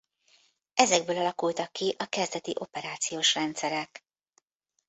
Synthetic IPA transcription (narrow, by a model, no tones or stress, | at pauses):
ɛzɛɡ̚bøːlɒlɒkult̪ɒkːiʔɒkɛzd̪ɛt̪iʔo̞pɛɾaːt̪sijoːʃrɛnt̪sɛɾɛk